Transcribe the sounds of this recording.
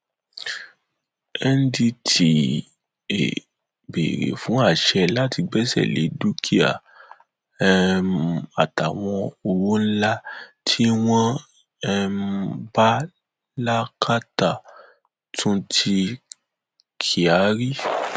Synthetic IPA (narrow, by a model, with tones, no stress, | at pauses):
ɛ˦n̩˦di˧tʰi˨ | ḛ˨ | bḛ˨ɾḛ˨fũ˨˦a˦˨ʃɛ˧la˦ti˧ɡ͡bɛ˦sɛ̰˦˨lḛ˨˦du˦kʰi˦a̰˨˧ | a˨ta˨w̃ɔ̃˧o˨ɾo˦la˦tʰi˦w̃ɔ̃˦ | ɛ˧mba˦ | la˦kʰa˦ta˦˨ | tʰũ˦tʰi˧ | kʰi˨a˨˦ɾi˦